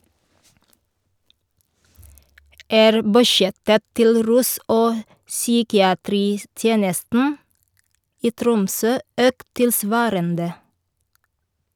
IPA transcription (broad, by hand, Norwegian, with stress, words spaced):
ˈæːɾ bʉˈʃjɛtə ˈtɪl ˈɾʉːs ˈoː ˈsyːkɪɑˌtɾiːˌtjeːnəstn̩ ˈiː ˈtɾʊmˌsøː ˈøːkt tɪlˈsʋɑːɾəndə